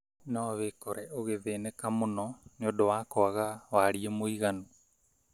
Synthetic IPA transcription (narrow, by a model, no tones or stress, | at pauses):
noβekoɾɛoɣeβeːnekamonɔniodowakoaɣaβaɾiemoiɣanu